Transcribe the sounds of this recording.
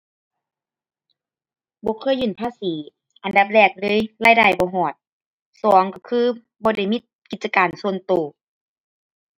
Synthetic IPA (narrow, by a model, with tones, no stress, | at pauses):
bɔː˧˦kʰɤː˧˥˨jːɯː˧˩˨npʰaː˧˥˨siː˨˦ | ʔa˨nda˧˦p̚lɛː˧˩k̚lɤː˧˨jlaː˧˥˨jdaː˧˩jbɔː˧˦ɦɔː˨˩t̪̚ | sɔː˨˦ŋka˧˩kʰɯː˧˨ | bɔː˧˦da˧˩jmi˧˥t̪̚ki˧˩t̪̚t͡ɕa˧kaː˨˩nsu˧ənt̪oː˨˩